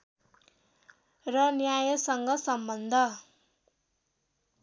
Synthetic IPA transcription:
rʌnjajʌsʌŋɡʌsʌmbʌnd̪ʱʌ

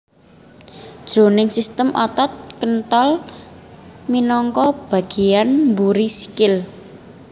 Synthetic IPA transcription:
d̥ʒ̥o̤nɪŋsist̪əmʔɔt̪ɔt̪̚kənt̪ɔl | minɔŋkɔb̥a̤ɡ̥i̤janmbuɾisi̥kɪl

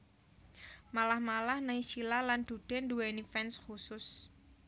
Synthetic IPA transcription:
malahmalahnaiʃilaland̪̥ṳɖ̥ɛnduwenifɛnsxusʊs

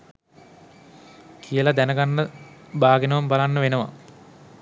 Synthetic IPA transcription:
kʰijəlad̪ænəɡanːəbaːɡenəʋambalanːəʋenəʋa̰

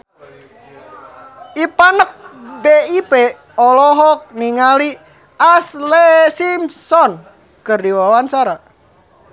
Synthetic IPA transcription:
ipanək̚beipe | ɔlɔɦɔk̚niŋali | aslesimsɔn | kərdiwawant͡ʃaɾa

